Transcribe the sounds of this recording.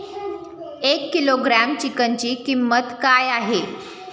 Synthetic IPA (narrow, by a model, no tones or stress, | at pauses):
ekːiloɡɾæmt͡ɕikəɲt͡ɕiːkimːət̪kajaɦe